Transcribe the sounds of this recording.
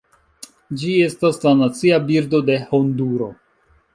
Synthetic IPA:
d͡ʒie̞staslanat͡siabiɾdo̞de̞ho̞nduɾo̞̰

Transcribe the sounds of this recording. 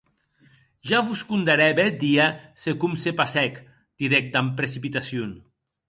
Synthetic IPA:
ʒaβuskund̪aɾɛβɛt̪̚d̪iasekumsepasɛk | d̪̥iɾɛk̚t̪ampɾesipit̪asjun

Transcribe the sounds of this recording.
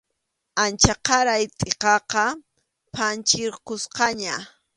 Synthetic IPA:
ant͡ʃaqɑɾajt̪ʼeqɑqɑ | pʰant͡ʃɪɾqʊsqɑɲa

